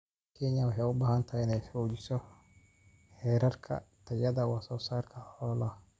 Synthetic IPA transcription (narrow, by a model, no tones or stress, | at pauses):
kʰɛɲɐwɑħɛjʊbaːhɐnt̪ʰaːɪnɛjfɔːd͡ʒɪsɔ | hɛːɾɐrkʰɐ̰t̪ʰɐjɐðɐwɑsɔːsaːrkʰɐɔːlɐ